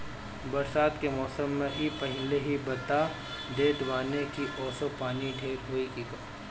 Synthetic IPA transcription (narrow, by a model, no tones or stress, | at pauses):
bɐɾsaːd̪kemɔːsəmːẽbʱipɐɦɪleɦibɐt̪a | d̪eːʈbaːnekiʔɔːsopaːniɖʱeːɾɦoːikikɐ